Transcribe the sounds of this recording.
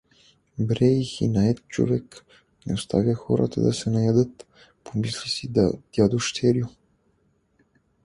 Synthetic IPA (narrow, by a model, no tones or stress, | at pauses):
bɾɛixḭnaɛt̪̚t͡ʃo̰vɛk | nɛost̪ʰa̰vʲjaxɔɾa̰t̪a̰d̪ɐsɛnɐjad̪ɤt̪ | pʰomislisid̪a̰d̪̥ʲjad̪uʃt̪ʰɛɾiju